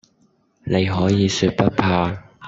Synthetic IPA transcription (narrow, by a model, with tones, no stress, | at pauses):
ne˨˧jɦɔː˨˥jiː˨˧syː˧t̚pɐ˥t̚pʰaː˧